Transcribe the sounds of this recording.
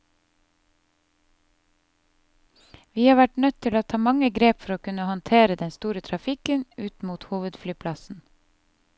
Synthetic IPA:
ʋiːhɑːɾʋæʈɳœt̪ʰːɪloːt̪ʰɑːmɑŋəɡɾeːpfɔɾoːkʉnəhɔnt̪ʰeːɾəd̪ɛnst̪uːɾət̪ʰɾɑfɪkənʉːt̪muːt̪huːʋəd̪flyːpʰlɑsn̩

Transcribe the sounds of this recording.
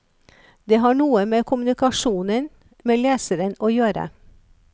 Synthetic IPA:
d̪eːɦɑːɳuːəmeːkʰʊmnɪkɑʃuːnən | meːleːsəɾənoːjøːɾə̰

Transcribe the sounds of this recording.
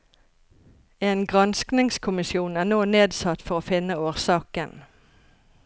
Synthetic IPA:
eːnɡʁɑnsknɪŋskʰʊmɪsjuːnæːnoːneːd̪sɑt̪fɔʁoːfɪnəoːʁsɑːkən

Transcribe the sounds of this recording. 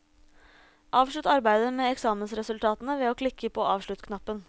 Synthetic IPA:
ʔɑːʋʂɭʉt̪ɑɾbæɪd̪əmeːɛksɑːmənsɾɛsʉlt̪ʰɑːt̪nəʋeːoːkʰlɪkʰːəpʰoːʔɑːʋʂɭʉt̪kʰnɑpːən

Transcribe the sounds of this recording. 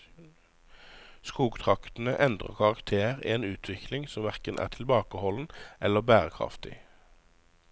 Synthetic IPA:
skuːɡt̪ʰʁɑkt̪n̩əʔɛnd̪ʁə̰kʰɑʁɑkt̪ʰeːʁieːnʉːt̪ʰʋɪklɪŋsɔmʋæʁkənʔæ̰ːʁt̪ʰɪlbɑːkəhɔln̩ʔɛləʁbæːʁəkʰʁɑ̰ft̪ɪ̰

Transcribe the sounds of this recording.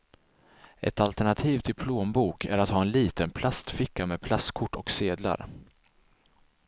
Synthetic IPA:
ʔɛ̰t̪alt̪ɛɳat̪ʰiːvt̪ʰɪlpʰloːmbuːkʰæɾat̪hɑːɛnliːt̪ənpʰlast̪fɪkːameːd̪̚pʰlast̪kʰʊʈːɔkseːd̪la̰ɾ

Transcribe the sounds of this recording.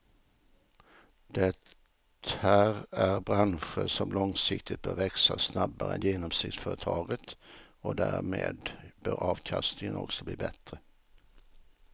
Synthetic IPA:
d̪̥ɛtː | hæɾæɾbɾanɧəɾʂɔmlɔŋsɪk̚t̪ʰɪt̪̚bœːɾvɛksasnabːaɾəɛnjeːnɔmsɪkt̪sfœːɾət̪ʰɑːɡət̪ɔd̪æːɾmeːd̪bœːɾʔɑːvkʰast̪ɪŋənɔ̰ksɔbliːbɛt̪ɾə

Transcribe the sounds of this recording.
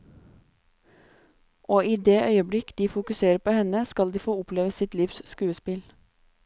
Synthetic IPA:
ʔoːiːd̪eːʔœʏəbɽɪkd̪iːfʊkʉseːɾəpoːhɛnəskɑld̪iːfoːʊpleːʋəsɪt̪liːʋsskʉːəspɪl

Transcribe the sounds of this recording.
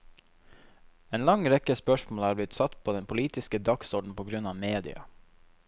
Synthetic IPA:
eːnlɑŋɾɛkəspœʃmoːlæːɾblɪt̪sɑt̪pʰoːd̪ɛnpʰʊliːt̪ɪskəd̪ɑksɔɖɳ̩pʰoːɡɾʉnɑːʋmeːd̪ɪ̰ɑ̰

